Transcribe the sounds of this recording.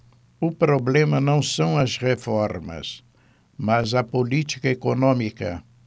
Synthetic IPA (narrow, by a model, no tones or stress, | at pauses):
ʊpɾoblẽmɐnɐ̃w̃sɐ̃w̃ɐzʁefɔɾmɐ̰s | mɐzɐpolit͡ʃi̥kɐekonõmikɐ̰